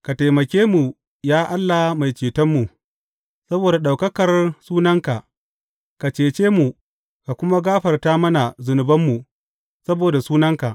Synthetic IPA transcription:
ka˨ta˨jmɐ˨kʲeː˦mu˨ | jaː˦ʔa˦lːa˨ma˨jt͡ʃeː˨tɐ˦mːu˨ | sɐ˦boː˨da˨ɗa˨wkɐ˦kɐ˨rsuː˦nɐ˦ŋka˨ʔ | ka˨t͡ʃeː˨t͡ʃeː˦mu˨ | ka˨kʷʊ˦ma˦ɡaː˦ɸɐ˨rtaː˦mɐ˦na˨zʊ˨nʊ˨bɐ˦mːu˨ | sɐ˦boː˨da˨suː˦nɐ˦ŋka˨ʔ

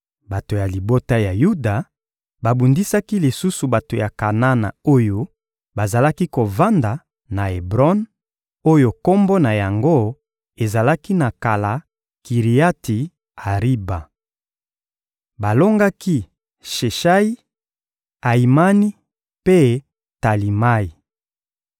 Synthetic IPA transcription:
ba˨to˨ja˨li˨bo˦ta˦ja˨ju˦da˨ | ba˨bu˨ndi˦sa˦ki˦li˨su˦su˨ba˨to˨ja˨ka˨na˦na̰˨o˦jo˦ | ba˨za˨la˦ki˦ko˨va˦nda˨ | na˨e˨bʁɔ˦n | o˦jo˨ko˦mbo˦na˨ja˨ŋɡo˦ | e˨za˨la˦ki˦na˨ka˨la˨ | ki˨ʁi˨ja˦ti˨ | a˨ʁi˦ba˨ | ba˨lo˦ŋɡa˦ki˦ | ʃe˨ʃa˦i˦ | a˨i˨ma˦ni˦ | pe˦ | ta˨li˨ma˦i˨

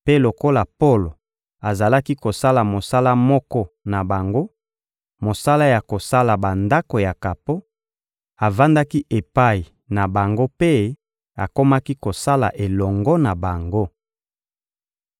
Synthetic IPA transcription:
pe˦lo˨ko˦la˨po˦lo˨ | a˨za˨la˦ki˦ko˨sa˦la˨mo˨sa˦la˦mɔ˦kɔ˦na˨ba˨ŋɡo˦ | mo˨sa˦la˦ja˨ko˨sa˦la˨ba˨nda˦ko˨ja˨ka˨po˦ | a˨va˦nda˦ki˦ʔe˨pa˦˨i˨ | na˨ba˨ŋɡo˦pe˦ | a˨ko˦ma˦ki˦ko˨sa˦la̰˨ʔe˨lɔ˨ŋɡɔ˦na˨ba˨ŋɡo˦

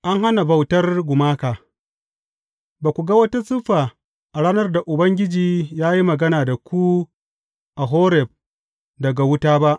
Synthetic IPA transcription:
ʔa˦ŋɦa˦na˨bɐ˨wtɐ˦rɡʷʊ˨maː˦kaː˨ | baː˨kʷu˨ɡa˦wɐ˦ta˦sʊ˦ɸaː˨ | ʔa˨ɽaː˦nɐ˦rda˨ʔʊ˨bɐ˦ŋɡʲɪ˦d͡ʒiː˨jaː˦ji˦mɐ˨ɡɐ˦naː˨da˨kʷu˦ | ʔa˨ɦoː˦ɾɛ˨b̚ | dɐ˨ɡa˨wʊ˦taː˦ba˦ʔ

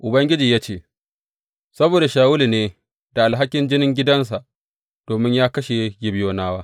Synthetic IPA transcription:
ʔʊ˨bɐ˦ŋɡʲɪ˦d͡ʒiː˨jaː˦t͡ʃeː˦˨ | sɐ˦boː˨da˨ʃaː˨wʊ˦li˨neː˦ | da˨ʔa˨lɦa˦kʲɪ˦nd͡ʒɪ˦nɪ˦ŋɡʲɪ˦dɐ˦ns̬a˨ʔ | d̥oː˨mɪ˦ɲjaː˦kɐ˦ʃe˨˦jɪ˦bɪ˦joː˦naː˦waː˦

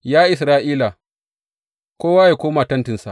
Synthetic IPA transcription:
jaː˦ʔɪ˨sɾaː˦ʔiː˦la˨ | kʷoː˦waː˦jaː˨kʷoː˦maː˨tɐ˦ntɪ˨nsa̰˨ʔ

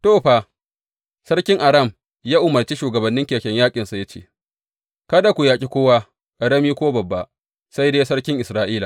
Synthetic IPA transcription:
toː˦˨ɸa˨ | sɐ˦ɽkʲɪ˦ŋʔa˨ɾɐ˦˨m | jaː˦ʔʊ˨mɐ˨rt͡ʃi˦ʃuː˨ɡɐ˨bɐ˨nːɪ˦ŋkʲeː˨kʲɛ˦ɲjaː˦kʲʼɪ˨nsa˨jɐ˦t͡ʃḛː˦˨ | kɐ˦da˨kʷu˨jaː˨kʲʼi˦kʷoː˦waː˦ | ʔɽɐ˦miː˦kʷoː˦bɐ˨bːa˨ | sa˦jdeː˦sɐ˦ɽkʲɪ˦ŋʔɪ˨sɾaː˦ʔiː˦la˨

